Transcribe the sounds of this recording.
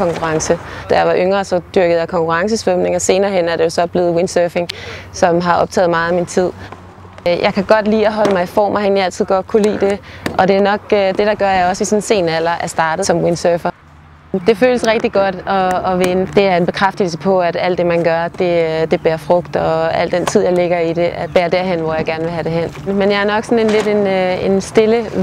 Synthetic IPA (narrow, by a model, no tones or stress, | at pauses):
ɒ̽ŋkʰuʁɑ̈ŋsəd̥æjɑ̈ɪʋɑ̈ʔøŋɐːsɒ̽d̥yɐɡ̥ð̩ˠjɑkʰɒ̽ŋkʰuʁɑ̈ŋs̬əsʋ̥ømne̝ŋɐse̝ːnɐːɦenæɐɾe̝jo̝sɒ̽b̥le̝ːð̞̩ˠwensøːfe̝ŋsɒ̽mɦɑ̈ʔɒ̽b̥̚t͡sʰɛ̰ːð̩ˠmɑ̈ːðˠimint͡sʰið̞̰ˠ | jʔɑ̈ɪkʰæɡ̥ɒ̽d̥lḭːɒɦɒ̽ləmɑ̈ɪifɒ̰ːmʔɑheniæl̰t͡sʰið̰ˠɡ̥ɒ̽d̥̚kʰulḭːd̥e̝ʔɒ̽d̥e̝æɐnɒ̽ɡ̥d̥e̝ɾ̥ɑ̈ɡ̥ɶɐjäɪɒ̽sisɒ̽nse̝̰ːnæl̰ɐʔæɐsd̥ɑ̈ːd̥ð̩ˠsɒ̽mwensøfɐ | d̥e̝føːləsʁɛɡ̥̚d̥iɡ̥ɒ̽d̥ɒ̽ːʋenəd̥e̝æɐe̝nb̥e̝kʰʁafd̥il̩sə̥pʰɒ̽æd̥æl̰d̥e̝mænɡ̥ɶɐd̥e̝d̥e̝b̥eːɐfʁɔ̽ɡ̥̚d̥ɒ̽æl̰d̥en̰t͡sʰið̞̰ˠjɑ̈ɪle̝ɡ̥ɐid̥e̝ʔæb̥eːɐd̥æɐ̰ɦen̰ʋɒjɑ̈ɪɡ̥æɐnʋe̝ɦæɾ̥e̝ɦen̰menjɑ̈æɐnɒ̽ɡ̥sɒ̽ne̝nle̝de̝ne̝nsd̥e̝lə